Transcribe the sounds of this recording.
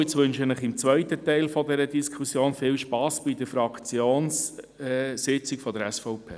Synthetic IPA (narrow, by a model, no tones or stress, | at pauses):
ɪt͡sʋʏnʃənəχɪmt͡sʋœɪtətɛɪlfɔdɛɾədiskʰusjoːnfɪːlʃpɑːsb̥idəfɾɑkt͡sjoːns | sɪt͡sɪkfɔdəɾɛsfɔʊpʰḛː